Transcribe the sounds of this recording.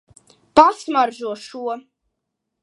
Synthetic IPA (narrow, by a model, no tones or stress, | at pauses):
pasmaɾʒuɔʃuɔ